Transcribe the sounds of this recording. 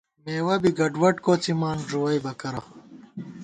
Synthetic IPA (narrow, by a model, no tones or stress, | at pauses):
meːwɐbiɡɐɖwɐʈkoːt͡simaːnʐuwɐjbɐkɐɾɐ